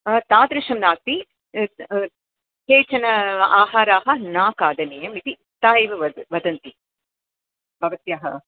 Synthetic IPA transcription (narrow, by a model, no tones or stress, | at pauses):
t̪aːd̪ɾɪʃɐmnaːt̪i | heːt͡ʃɐnɐaːɦaːɾaːɦɐ̆naːkaːd̪ɐneːjɐmit̪i | t̪aːjiʋɐɐʋɐd̪ɐnt̪i | bʱɐʋɐt̪jaːɦɐ